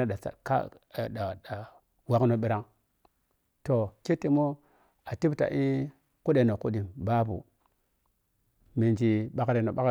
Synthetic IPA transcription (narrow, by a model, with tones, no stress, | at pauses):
a˦da˨t͡sa̰˨ka̰˦˨ | da˨a˨ | wa˦kno˨ɓi˦ɾa˦ŋ | to˨ke˦ti˨mo˦ | a˨ti˦bta̰˨ʔi˦ | ku˦ɗe˨no˨ku˦ɗi˨mba˦bṵ˨ | mi˨nd͡ʒi˦ɓa˦kɾe˨no˨ɓa˦